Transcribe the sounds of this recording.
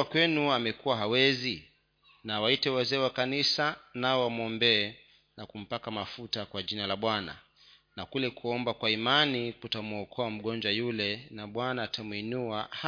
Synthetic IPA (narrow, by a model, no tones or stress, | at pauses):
kwɛnuamɛkuwaɦawɛzi | nawaitɛwazɛːwakanisanaɔwamɔmbɛː | nakum̩pakamafutakwaʄinalaɓwana̰ | nakulɛkuɔmbakwaimanikutamuɔkʰɔam̩ɠɔnd͡ʒwajulɛnaɓwanaːtamwinuah